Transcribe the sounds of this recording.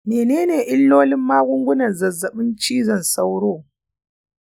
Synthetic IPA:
meː˨neː˦neː˨ʔɪ˦lːoː˦lɪ˦mːaː˦ɡʷʊ˦ŋɡʷʊ˦nɐ˨nzɐ˨zːɐ˨ɓɪ˦nt͡ʃiː˦zɐ˨nsa˦wɽoː˦˨

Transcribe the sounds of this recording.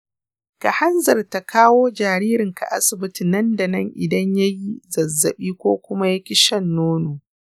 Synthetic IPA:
ka̰˨ha˦nzɐ˨rta˨kʰaː˦woː˦d͡ʒaː˨ɾiː˦ɾɪ˨ŋkʰa̰˨ʔa̰˦sɪ˨bɪ˦ti˨nɐ˦nda˨nɐ˦˨ŋʔɪ̰˨dɐ˦ɲja˦ji˦zɐ˨zːɐ˨ɓiː˦kʷoː˦kʷʊ˦ma˦ja˦kʲɪ˦ʃɐ˦˨nːoː˦noː˨

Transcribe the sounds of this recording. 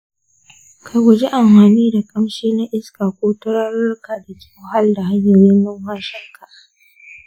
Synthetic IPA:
kʰa˨jɡʷʊ˨d͡ʒe˦ʔa˨mhaː˨niː˦da˨kʼɐ˦mʃeː˦na˦ʔɪ˦skaː˨kʷoː˦tʊ˦ɾɐ˦rʊ˦rka˨da˨kʲɪ˦wo˦ha˦lda˨ɦa˦ɲːa˨jɪ˦nːʊ˦ŋhaː˦ʃɐ˦ŋkʰa˨ʔ

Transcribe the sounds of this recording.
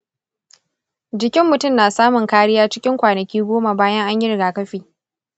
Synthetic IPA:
d͡ʒɪ˦kʲɪ˦mːʊ˨tʊ˦˨mnaː˨saː˦mʊ˨ŋkaː˦ɽɪ˦jaː˦t͡ʃɪ˦kʲɪ˦ŋkʷaː˨nɐ˨kʲiː˦ɡʷoː˦ma˨baː˦jɐ˦ŋʔa˦ɲjɪ˦ɾɪ˨ɡaː˨kɐ˦ɸiː˨

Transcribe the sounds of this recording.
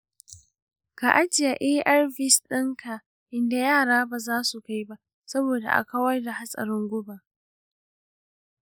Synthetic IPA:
ka̰˨ʔa˦d͡ʒɪ˨ja˨ʔeː˦ʔa˦rɸɪ˦sɗɪ˦ŋkʰa˨ | ʔɪ˦nda˨jaː˦˨ɽaː˦baː˨zaː˦su˨ka˦jba˦ʔ | sɐ˦boː˨da̰˨ʔa̰˨ka˦wɐ˦rda˨ha˦sʼɐ̰˨ɾɪ˦ŋɡʷʊ˦ba˨

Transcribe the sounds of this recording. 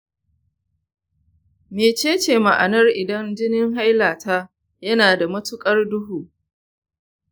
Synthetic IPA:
meː˨t͡ʃeː˦t͡ʃeː˨ma˨ʔa̰˨nɐ˦rʔɪ˨dɐ˦nd͡ʒɪ˦nɪ˦ŋɦa˦jlaː˨ta˦ | jɐ˦naː˨da˨mɐ˦tʊ˦kʼɐ˦rdʊ˦ɦuː˨

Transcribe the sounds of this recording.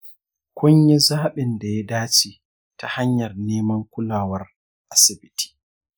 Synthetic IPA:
kʰʷɔ˦ɲjɛ˦zaː˦ɓɛ˨nda˨ja˦daː˦t͡ʃi˨ | tʰa˨ha˦ɲjɐ˨rneː˦mɐ˦ŋkʷʊ˦laː˨wɐ˨r | ʔa˨sɪ˨bi˨tʰi̥˨

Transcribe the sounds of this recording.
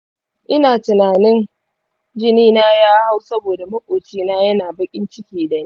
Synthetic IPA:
ʔɪ˦naː˨tʊ˨naː˨nɪ˦n | d͡ʒɪ˦niː˦naː˦jaː˦ha˦wsɐ˦boː˨da˨mɐ˦kʷʼoː˨t͡ʃiː˦naː˦jɐ˦naː˨bɐ˦kʲʼɪ˦nt͡ʃɪ˦kʲiː˨da˨n˦

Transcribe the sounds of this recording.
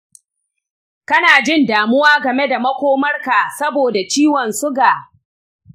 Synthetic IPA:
kɐ˦naː˨d͡ʒɪ˦ndaː˨mʊ˦waː˦ɡɐ˨me˦da˨mɐ˦kʷoː˦mɐ˦rka˨sɐ˦boː˨da˨t͡ʃiː˦wɐ˨nsʊ˦ɡaː˨

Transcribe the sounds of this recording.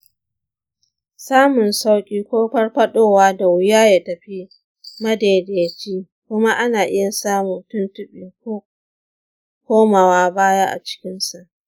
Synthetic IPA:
saː˦mʊ˨nsa˦wkʲʼiː˦kʷoː˦ɸɐ˦rɸɐ˦ɗoː˦waː˦da˨wʊ˦jaː˦ja˦˨tɐ˨ɸi˦ | mɐ˦deː˨deː˨t͡ʃiː˦ | kʷʊ˦ma˦ʔa˦naː˨ʔɪ˦ja˨saː˦mu˨ntʊ˦ntʊ˦ɓiː˨ko˦ | kʷoː˦ma˨waː˦baː˦ja˦ʔa̰˨t͡ʃɪ̥˦kʲɪ˦nsa˨ʔ

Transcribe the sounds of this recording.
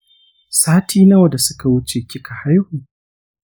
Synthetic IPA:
saː˦tʰiː˦na˦wɐ˨da˨sʊ˦ka˨wʊ˦t͡ʃe˨kʲɪ˦ka˨ha˦jhuː˨

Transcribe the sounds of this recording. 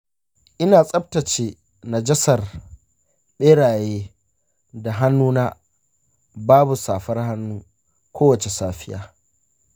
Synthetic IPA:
ʔɪ˦naː˨sʼɐ˦b̚tɐ˨t͡ʃeː˨ | na˨d͡ʒɐ˦sɐ˨r | ɓeː˦ɽaː˨jeː˦ | da˨ɦa˦nːuː˦na˦ | baː˦bu˨saː˨ɸɐ˦rha˦nːuː˦ | kʷoː˦wɐ˨t͡ʃe˨saː˦ɸɪ˦jaː˦

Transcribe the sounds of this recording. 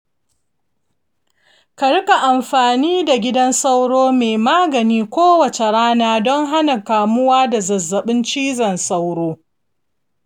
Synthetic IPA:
kɐ˨ɽʊ˦ka˨ʔa˨mɸaː˨niː˦da˨ɡʲɪ˦dɐ˦nsa˦wɽoː˦meː˨maː˦ɡɐ˨niː˦kʷoː˦wɐ˨t͡ʃe˨ɽaː˦naː˦dɔ˦ŋɦa˦na˨kaː˨mʊ˦waː˦da˨zɐ˨zːɐ˨ɓɪ˦nt͡ʃiː˦zɐ˨nsa˦wɽoː˦

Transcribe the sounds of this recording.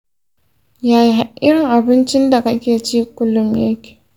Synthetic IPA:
jaː˨ji˦a˨ʔɪ˦ɽɪ˨ŋʔa˨bɪ˦nt͡ʃɪ˦nda˨ka˦kʲeː˨t͡ʃiː˦kʷʊ˦lːʊ˨mja˦kʲe̥ː˨

